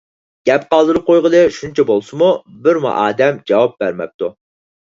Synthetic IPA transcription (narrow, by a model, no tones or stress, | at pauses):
ɡ̥ʲɛp̚qɑlˠd̪ɨɾɨp̚qʰojʁəd̪ɨʃunt͡ʃʰɛbolˠsɨmubɪɾmṵʔɑːd̪ɛmd͡ʒɑwɑp̚bæɾmɛ̰p̚t̪u